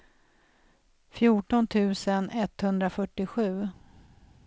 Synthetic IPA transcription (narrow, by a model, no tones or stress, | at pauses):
fjuːʈɔnt̪ʰʉ̟ːsənɛt̪ːhɵnd̪ɾafœʈːɪɧʉ̟ː